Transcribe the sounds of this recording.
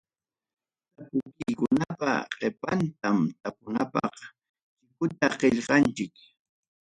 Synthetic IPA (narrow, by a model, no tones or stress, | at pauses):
t̪apʊkɪjkʊnapa̰qepant̪amt̪apʊnapɑ̰χ | t͡ʃɪkʊt̪aqeʎqɑnt͡ʃɪk